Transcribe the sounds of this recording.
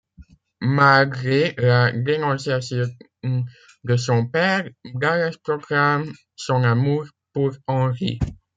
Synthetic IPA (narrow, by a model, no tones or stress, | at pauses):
malɡʁeladenɑ̃sjasjɔ̃ | d̪əs̬ɔ̃pɛʁɡalaspʁɔɡʁam | sɔ̃namuʁ | puʁɑ̃ʁḭ